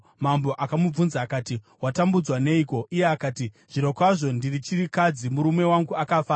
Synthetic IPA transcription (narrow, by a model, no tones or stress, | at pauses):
mambo̞ʔakamub͡vunzaːkati | watambud͡zwane̞iːko̞ʔije̞akaːti | ʐ̥iɾo̞kwaʐo̞ndirit͡ʃirikad͡zimuɾume̞waŋɡuakafaːa